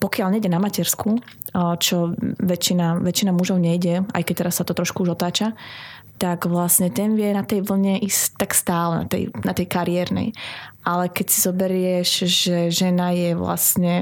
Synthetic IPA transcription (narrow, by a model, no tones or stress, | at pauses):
pɔkɪalɲɛjɟɛnamacɛɾsku | t͡ʃɔʋɛt͡ʃinaʋɛt͡ʃinamuʒɔʊɲɛjɟɛa̰jkɛc̚t̪ɛɾasːat̪ɔt̪ɾɔʃkuuʒɔt̪aːt͡ʃat̪aɡʋlasɲɛt̪ɛnʋɪjɛnat̪ɛjʋl̩ɲɛʔist̪akst̪aːlɛna̰t̪ɛ̰jnat̪ɛjkaɾiɛɾnɛ̰jʔalɛkɛcsizɔbɛɾɪɛʃʒɛʒɛnajɛʋla̰sɲɛ